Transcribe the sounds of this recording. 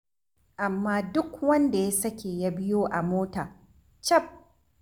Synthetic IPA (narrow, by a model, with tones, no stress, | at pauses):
ʔa˨mːaː˦dʊ˦kwɐ˦nda˨ja˦sɐ˦kʲeː˨ja˦bɪ˦joː˦ʔa˨moː˦taː˨ | t͡ʃɐ˦˨p̚